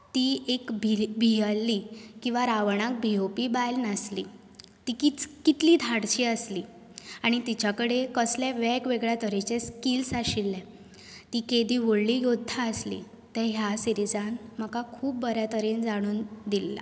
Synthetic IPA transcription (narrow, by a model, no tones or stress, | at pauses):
t̪iekbʱibʱijəlːikĩw̃ʋaɾaʋɳ̃ak̚bʱiopiːbajlnəslḭ | t̪ikit͡skit̪liːd̪ʱaɽt͡ɕiːəsliː | aɽ̃it̪it͡ɕakəɽekəsljɛʋɛkʋeɡɭjat̪əɾet͡ɕeskilsaɕilːɛ̃ | t̪iked̪iːʋoɽlijod̪ʱːaəslḭ | t̪ɛ̃ɦjasiɾid͡zanm̤əkakʰuːpbəɾjat̪əɾend͡zaɽ̃uːnd̪ilːa̰